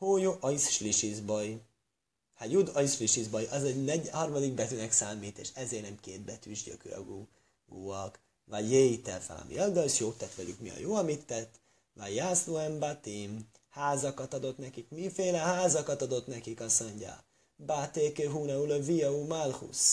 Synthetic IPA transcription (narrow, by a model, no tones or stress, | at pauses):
hoːjoʔɒisʃliʃizboj | hajud̪ɒisfliʃizbojɒzɛɟnɛɟhɒrmɒd̪iɡ̚bɛt̪ynɛksaːmiːt̪ḛːʃɛzeːrnɛmkeːt̪̚bɛt̪yʒɟø̰kø̰ɒ̰ɡu | ɡuːɒk | vajjeːit̪ɛfɛ̰lɒ̰mḭɒld̪ɒʃjoːt̪ːɛt̪ʋɛlykmiɒ̰joːɒmit̪ːɛt̪ː | vajːaːsluɛmbat̪im | haːzɒkɒt̪ɒd̪o̞t̪nɛkikmifeːlɛhaːzɒkɒt̪ɒd̪o̞t̪nɛkikɒsoɲɟa̰ | bat̪eːkøɦuːnɛulɒvijɒumalhṵs